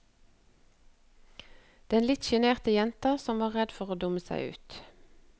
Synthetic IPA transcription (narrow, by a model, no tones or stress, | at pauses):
d̪̥ɛnlɪt̪ʃɛneːʁt̪əjɛnt̪əʁsɔmʋɑːʁʁɛd̪fɔʁoːd̪ʊməsæ̰ɪʉ̰ːt̪